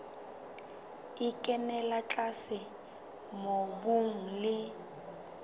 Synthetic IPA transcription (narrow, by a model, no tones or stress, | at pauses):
ɪkʼɛnɛlat͡ɬʼasɪ | mobuŋ̩lɪ